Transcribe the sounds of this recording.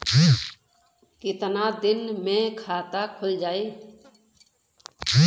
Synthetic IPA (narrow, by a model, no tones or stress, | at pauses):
kɪt̪nad̪ɪnmẽkʰaːt̪akʰʊld͡ʒaːeː